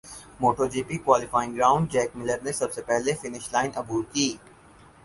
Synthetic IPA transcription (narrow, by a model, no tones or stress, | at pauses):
moːʈoːd͡ʒiːpikwaːlɪfaːɪ̃ŋɡɾaːʊ̃ɳɖ̚d͡ʒɛːk̚mɪləɾnesɐbsepɛɦlefɪnɪʃlaːɪnɐbuːɾkiː